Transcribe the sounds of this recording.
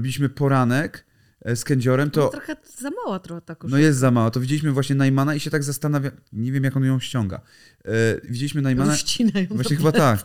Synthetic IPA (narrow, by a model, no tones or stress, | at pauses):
bʲilʲiɕmɘpɔɾanɛk | skɛɲd͡ʑɔɾɛmt̪ɔt̪ɾɔxɛ | zamawat̪ɾɔxɛt̪akɔnɔjɛst̪zamawat̪ɔvʲid͡ʑelʲiɕmɘvwaɕɲɛnajmanaiɕɛt̪aɡzast̪anavʲaɲevʲjɛmjakɔnjɔ̃w̃ɕt͡ɕɔ̃ŋɡa̰ | vʲid͡ʑelʲiɕmɘnajmanainajɔvwaɕɲɛxbatt̪ak